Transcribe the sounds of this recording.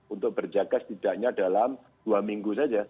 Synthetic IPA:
unt̪ʊk̚b̥ərd͡ʒaɡat̪st̪id̥aʔɲadalam | d̥uamiŋɡusad͡ʒa

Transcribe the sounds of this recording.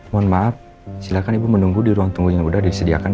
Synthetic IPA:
mɔnmaʔaf̚ | silakanibumənuŋɡudiɾuaŋt̪uŋɡuɲaŋudadisədia̰kan

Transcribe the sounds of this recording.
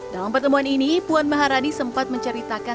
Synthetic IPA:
dalampərt̪əmuɦaninipuanmaɦaɾadisəmpat̪̚məɲt͡ʃəɾit̪aka

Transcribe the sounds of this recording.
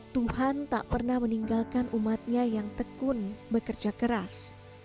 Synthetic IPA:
t̪uhant̪a̰ʔpərnahməniŋɡalkanʔumat̪̚ɲajaŋt̪əkʊnbəkərd͡ʒakəɾas

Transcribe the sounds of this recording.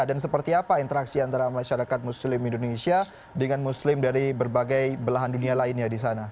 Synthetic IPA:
dans̬əpərt̪iapaint̪əɾaksiant̪aɾamaʃaɾakat̪̚muslɪmindonesia | dəŋanmuslɪmdaɾibərbaɡajbəlaɦandunialaɪnjadisana

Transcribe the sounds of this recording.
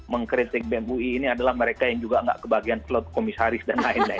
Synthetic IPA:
məŋkɾit̪ɪk̚bɛmbuiːniadalahməɾekajaŋd͡ʒuɡaŋɡa̰ʔkəbaɡianplɔt̪̚komisaɾɪsdanlainlai

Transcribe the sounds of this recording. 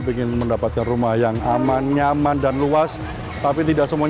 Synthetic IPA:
biŋɪnməndapat̪̚kanrumahjaŋamanɲamandanluas | t̪apit̪idaʔsəmua

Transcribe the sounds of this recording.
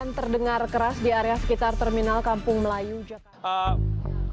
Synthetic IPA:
ant̪ərdəŋarkəɾasdiaɾeasə̥kit̪art̪ɛrminalkampʊŋməlajud͡ʒak

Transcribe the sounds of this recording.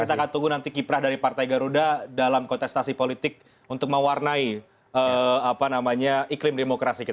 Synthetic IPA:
kat̪akant̪uɡunant̪ikipɾahdaɾipart̪ajɡaɾudadalamkɔnt̪ɛst̪asipolit̪ɪk̚ | unt̪ʊk̚məwarnai | əapanamaɲaiklɪmdemokɾasikit̪a

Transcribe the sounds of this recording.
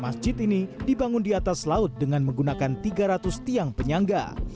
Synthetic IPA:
masd͡ʒɪt̪inidibaŋʊndiat̪aslaʊt̪̚dəŋanməŋɡunakant̪iɡaɾat̪ʊst̪iaŋpəɲaŋɡa̰

